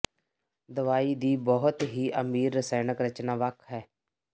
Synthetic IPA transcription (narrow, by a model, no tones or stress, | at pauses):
d̪əʋaːiːd̪iːbɔɦʊt̪ɦiːʔəmiːɾːəsɛːnəkɾət͡ʃnaːʋəkʰɦɛː